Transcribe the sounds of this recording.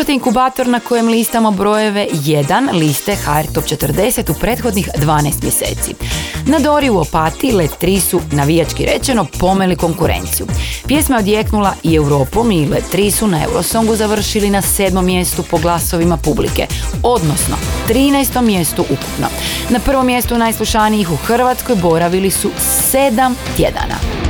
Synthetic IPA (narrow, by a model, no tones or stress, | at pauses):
t̪eiŋkubaːt̪o̞ɾnako̞je̞mlist̪amobɾo̞je̞ʋe̞jed̪anlist̪e̞xaeɾt̪o̞pt͡ʃe̞t̪ərd̪e̞se̞t̪upɾe̞ːt̪xo̞d̪nixd̪ʋaːnajst̪mje̞sḛːt̪sḭnad̪o̞ɾiuopat̪ilet̪ɾisunaʋijat͡ʃkiɾʔe̞t͡ʃe̞no̞po̞me̞liko̞ŋkuɾḛnt̪sijupje̞smaod̪jeknulˠaiewɾo̞ːpo̞milet̪ɾisunaewɾo̰so̞ŋɡuzaʋr̩ʃilinase̞ːd̪mo̞mːje̞st̪upo̞ɡlˠaso̞ʋimapublḭke̞̰o̞d̪no̞sno̞̰t̪ɾiːnɛjst̪o̞mːje̞st̪uʔuku̥pno̞̰napr̩ʋo̞mːje̞st̪unajslˠuʃanijixuxr̩ʋat̪skojbo̞ɾaʋilisu | se̞d̪amt̪je̞̰d̪a̰na̰